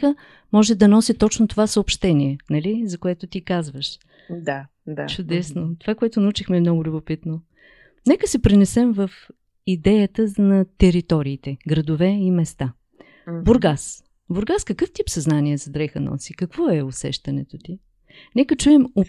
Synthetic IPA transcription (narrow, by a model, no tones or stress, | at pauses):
xə | mɔʒɛd̪ɐnɔsit̪ɔt͡ʃnot̪ovasəopʃt̪ɛniɛnɐlizɐkoɛt̪ʊt̪ikazvəʃ | d̪a | d̪at͡ʃʊd̪ɛsnot̪ovakʊɛt̪ʊnɐut͡ʃixmɛmnɔɡʊlʲʊbʊpit̪no | nɛkəsɛpɾinɛsɛmvəf | id̪ɛjət̪ənɐt̪ɛɾit̪ɔɾiːt̪ɛɡɾɐd̪ʊvɛimɛst̪a | boɾɡas | boɾɡaskəkɤft̪iopsɐznaniɛzɐd̪ɾɛxənɔ̰sikɐkv̥ɔɛosɛ̰ʃt̪ɐnɛt̪ot̪i | nɛkət͡ʃuɛmo